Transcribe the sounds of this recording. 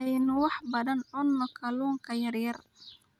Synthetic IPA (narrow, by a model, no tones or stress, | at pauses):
ɛjnʊwɑħbɐðɐnɔnːɔkʰɐluːŋkʰɐjɐrjɐr